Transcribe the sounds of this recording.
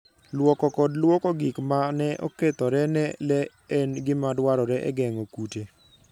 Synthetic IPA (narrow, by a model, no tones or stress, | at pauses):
lwɔkɔkɔdlwɔkɔɡɪkmanɛʔo̰ket̪ɔɾɛnɛlɛ | ɛnɡɪmadwaɾɔɾɛʔɛ̰ɡɛŋokute